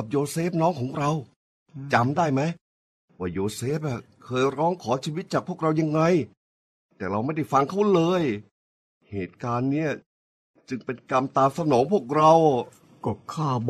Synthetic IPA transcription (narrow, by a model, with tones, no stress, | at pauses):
ka˨˩p̚joː˧seː˦˥p̚nɔː˦˥ŋkʰɔː˩˦ŋɾa˧w | t͡ɕa˧mdaː˥˩jma˦˥j | waː˥˩joː˧seː˦˥˩p̚ʔa˨˩ | kʰɤː˧jɾɔː˦˥ŋkʰɔː˩˦t͡ɕʰiː˧wi˦˥t̪̚t͡ɕaː˨˩k̚pʰu˥˩ək̚ɾa˧wja˧ŋːa˧j | t̪ɛː˨˩ɾa˧wma˥˩jda˥˩jfa˧ŋkʰa˦˥˩lɤː˧j | heː˨˩t̪̚kaː˧nːiː˦˥˩ɐ | t͡ɕɯ˧ŋpe˧nka˧mt̪aː˧msa˧nɔː˩˦ŋpʰu˥˩ək̚ɾa˧w | kɔː˧˩kʰaː˥˩b